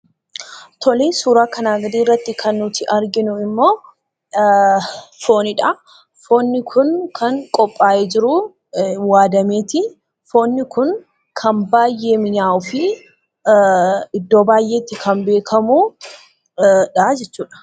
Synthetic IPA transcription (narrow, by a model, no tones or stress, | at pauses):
t̪ɔleːsuːɾaːkɐnaːɡɐd̪iːrːɐt̪ːɪkʰɐnːʊt̪ɪʔɐɾɡɪnʊɪmːo̞ː | fo̞ːnɪᶑɐ | fo̞ːnːɪkʰʊnkʰɐŋkʼɔpʼːaːʔed͡ʒɪɾʊ | waːd̪ɐmeːt̪ɪ | fo̞ːnːɪkʊn | kʰɐnbaːjːe̞ːmɪɲaːʔʊfɪ | ɪd̪ːo̞ːbaːjʔe̞ːt̪ːɪkʰɐnbe̞ːkʰɐmuː | ᶑɐd͡ʒɛt͡ʃːuːᶑɐ̥